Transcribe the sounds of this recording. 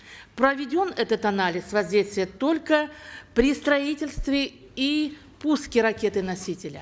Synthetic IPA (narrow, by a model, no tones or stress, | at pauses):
pɾəvʲɪdʲo̞nɛt̪ət̪ɐnalʲɪsvɐzʲdʲejst̪vʲɪjət̪o̞lʲkəpɾʲɪst̪ɾɐitʲɪlʲst̪vʲɪ | i | puskʲɪɾɐkʲe̞t̪ɨnɐsʲitʲɪlʲə